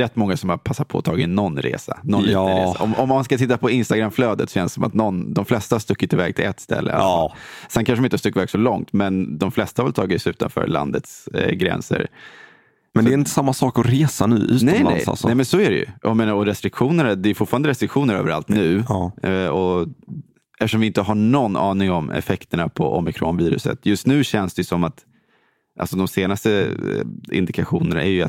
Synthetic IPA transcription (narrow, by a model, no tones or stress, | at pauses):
ɾɛt̪ːmɔŋːasɔmhapʰasːat̪̚pʰɔɔt̪ʰɑːɡɪnɔnːɾḛːsa̰nɔnɾḛːaɔmɔmːanskat̪ʰɪt̪ːapʰɔɪnst̪aɡɾamfløːd̪ət̪sɔ̥ɕɛnssɔma̰t̪nɔnd̪ɔmflɛst̪ahast̪ɵkːɪt̪ɪvɛːɡ̚t̪ʰɪlɛt̪ːst̪ɛ̰lːʔə̰a̰sɛnkʰanʂəɾmɪnt̪ːast̪ɵkːvæːɡsɔlɔŋt̪mɛnd̪ɔmflɛst̪ahavɛlt̪ʰɑːɡɪt̪sʉ̟ːt̪a̰nfœ̰ːɾla̰nd̪ə̰t̪sɡɾɛ̰nsə̰ɾ | mɛnd̪ɛɾɪnt̪ə̥samːasɑːkɔɾeːsanʉ̟̰ːʔʉ̟ːtnɛɛmnla̰nɛ̰sa̰lsɔnɛmɛnsɔæɾɛjɵ̰ʔjameːnaɾɔɾɛst̪ɾɪkɧuːnəɾd̪ɛːjʏfʊʈfɑːɾand̪əɾɛst̪ɾɪkɧuːnəɾø̰ːvəɾa̰lt̪nʉ̟ː | ɔ | ʔɛft̪əʂɔmvɪɪnt̪əɦaɳɔnːʔɑːnɪŋɔmɛ̰fɛkt̪əɳapʰɔ̰ʔɔ̰mɪkʰɾoːnviːɾɵ̰sə̰t̪jɵst̪nʉ̟ːɕɛnsd̪ɛjɵsɔmːat̪ | ʔa̰lsɔd̪ɔmseːnast̪ə | ɪ̰nd̪ɪkaɧuːnəna̰æɾjɵa̰t̪